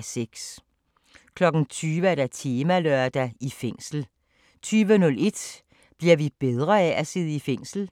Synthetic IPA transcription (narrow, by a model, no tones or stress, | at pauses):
seɡ̥s | kʰlɒ̽ɡ̥n̩t͡sʰyːʋəæɐd̥æt͡sʰiːmælœɐd̥æifeŋ̰sl̩ | t͡sʰyːʋənɔ̽le̝d̥ | b̥liɐʋib̥eð̞ˠʁɐææseð̞ˠəifeŋ̰sl̩